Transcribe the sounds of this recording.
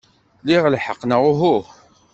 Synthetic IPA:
liʁlħəqːnəʁʊɦu

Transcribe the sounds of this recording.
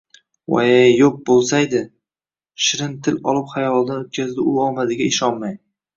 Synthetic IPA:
wa̰ejoq̚bolˠsajd̪ɪ | ʃɪɾɪnt̪ʰɪlɒlˠɪpχajɒlˠd̪aot̪̚kʲʰazd̪ɪʊɒmazɪɡʲaɪʃɒnmaj

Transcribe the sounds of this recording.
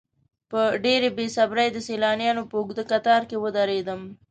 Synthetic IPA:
pəɖeɾebesabɾəjd̪əselɑnjɑnopəʊɡd̪əkat̪ɑɾkewəd̪aɾed̪əm

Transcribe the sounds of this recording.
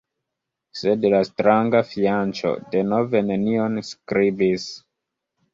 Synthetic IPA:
sedlastɾaŋɡafiant͡ʃo̞̰de̞no̞ve̞ne̞nionskɾibis

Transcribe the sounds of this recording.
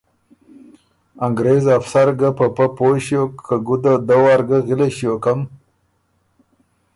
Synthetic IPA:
aŋɡɾezafsaɾɡapəpapoɕjokʰːəɡud̪ad̪awaːɾɡəɣɪleɕjokam

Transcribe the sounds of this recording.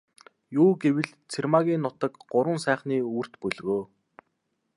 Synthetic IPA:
juːɡewɘ̆ɮ | t͡sʰermaɣʲiːnːʊt̪ə̆kɢʊɾwə̆nsæːχniːur̥t̪pɵɮɣoː

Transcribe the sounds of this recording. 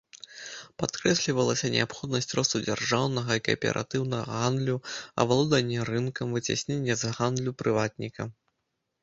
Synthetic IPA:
pat̪kɾɛsʲlʲivɐlˠɐsʲɐnʲʔɛ̰apxɔd̪nɐsʲt͡sʲrɔst̪ud͡zʲarʐawnɐɣɐikɐ̰pʲɛ̰ɾʔa̰t̪ɨwnɐɣɐ̰ɣand̪lʲuɐ̰valˠɔd̪ɐnʲːɛɾɨnkɐmvɨt͡sʲa̰sʲnʲenʲːɛzɣand̪lʲupɾɨvat̪̚nʲikɐ̰

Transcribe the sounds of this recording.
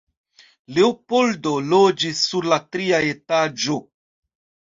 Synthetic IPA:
lewpoldolod͡ʒisːuɾlatɾiaetad͡ʒo̞

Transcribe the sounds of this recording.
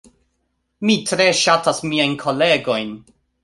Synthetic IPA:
mitɾe̞ʃatasmiajnkʰo̞le̞ɡo̞jn

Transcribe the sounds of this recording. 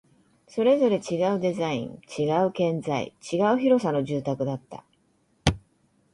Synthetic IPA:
so̞ɾe̞zo̞ɾe̞t͡ɕiɡaɯ̟d̪e̞zaḭ̃ŋt͡ɕiɡaɯ̟kẽ̞nzaḭt͡ɕiɡaɯ̟çiɾo̞sano̞ʑɨːt̪akɯ̟d̪at̪ːa̰

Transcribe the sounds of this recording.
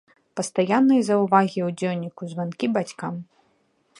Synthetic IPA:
pɐst̪ajanːɐjzɐwvaɣʲiwd͡zʲewnʲikuzvankʲibat͡sʲkam

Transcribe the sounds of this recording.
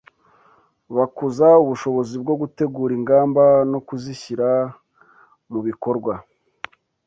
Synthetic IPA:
βakuzauβuʃo̞βo̞zib̚ɡo̞ɡute̞ɡuːɾiŋɡaːmbano̞kuziçiɾa | muβiko̞ɾɡwa

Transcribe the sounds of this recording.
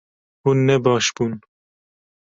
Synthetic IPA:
huːnːɛbɑːʃb̥uːn

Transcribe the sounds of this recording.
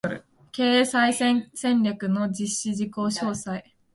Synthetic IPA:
ke̞ːsaisẽ̞nɾʲakɯ̟no̞d͡ʑiɕːid͡ʑiko̞ːɕo̞ːsai

